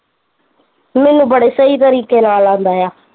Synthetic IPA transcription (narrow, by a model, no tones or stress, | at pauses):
mɛːnũːbəɽeːsəiːt̪əɾiːkeːnaːlãːnd̪aːjaː